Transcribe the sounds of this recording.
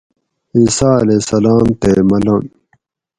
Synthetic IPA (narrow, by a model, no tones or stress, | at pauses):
iːsaːleːsɐlaːmt̪emɐlɐn